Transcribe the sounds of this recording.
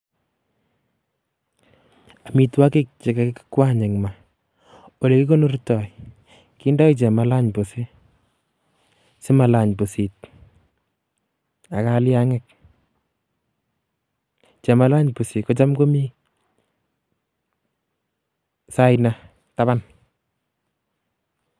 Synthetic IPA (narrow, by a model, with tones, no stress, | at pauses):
a˨mi˨twa˦ke˦k̚t͡ʃe˨ka˦kekːi̥kwa˦ɲe˨ŋma˨ | o˨le˨ki˦ko˦no˦ɾtɔ˨j | ki˦ndɔ˦it͡ʃɛ˨ma˨la˦ɲpo˨si˦ | sɪ˦ma˨la˨ɲpo˨si˨t̚ | a˨kalja˦ŋɛk̚ | t͡ʃɛ˨ma˦la˦ɲpu˨si˨kɔ˦t͡ʃa˦mko˦mi˦ | sa˦jna | ta˦ba˦n